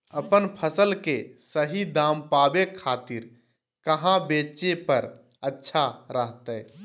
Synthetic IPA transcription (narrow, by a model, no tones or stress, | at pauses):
əpənpʰəsəlkesəɦid̪aːmpaːbekʰaːt̪ɪɾ | kəɦãbeːt͡ʃepəɾ | ətːʃʰaɾəɦt̪ə